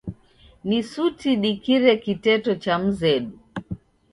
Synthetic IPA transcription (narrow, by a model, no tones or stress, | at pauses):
nisutiɗikiɾɛkitɛtɔt͡ʃam̩zɛɗu